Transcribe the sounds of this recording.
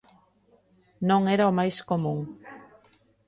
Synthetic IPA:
nõŋeɾaomajskomũŋ

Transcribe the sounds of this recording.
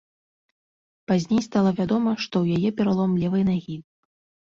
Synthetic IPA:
pazʲnʲejst̪alˠɐvʲad̪ɔmɐʂt̪ɔwjajɛpʲɛɾalˠɔmlʲɛvɨjnaɣʲi

